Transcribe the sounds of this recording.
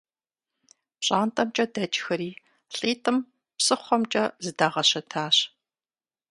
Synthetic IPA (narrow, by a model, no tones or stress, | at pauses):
pɕʼaːntʼɐmt͡ʃʼɐdɐd͡ʒxɐɾiː | ɬʼiːtʰʼɨm | psɨχʷɔmt͡ʃʼɐzɨdaːʁɐɕɐtʰaːɕ